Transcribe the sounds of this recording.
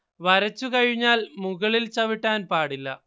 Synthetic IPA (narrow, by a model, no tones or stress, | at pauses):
ʋɐɾɐt͡ɕːukɐɻiɲːaːlmuɣɐɭilt͡ɕɐʋiʈːaːnpaːɽilːɐ̰